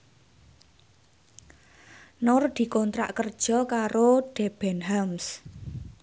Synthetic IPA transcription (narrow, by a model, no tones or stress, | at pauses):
nʊrd̪̥i̤kɔnt̪ɾa̰ʔkərd̥ʒ̥ɔkaɾoɖ̥ɛb̥ɛnɦams